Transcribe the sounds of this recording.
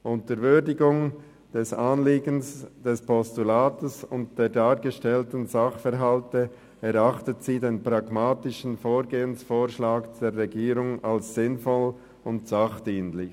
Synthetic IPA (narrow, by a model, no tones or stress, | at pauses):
ʔʊntəɾvʏdɪɡʊŋ | d̥ɛsaːnliːɡənsd̥ɛspʰɔstulaːtəsʊntd̥eːdaːɾɡəʃtɛltən̩zaχfɛɾɦaltə | ɛɾaχtətz̥iːdeːnpʁ̥aɡmaːtɪʃn̩foːɾɡeːənsfoːʁʃlaːkd̥eːɾʁɛɡiːɾʊŋalsz̥ɪnfɔl | ʊntsaχd̥iːnlɪç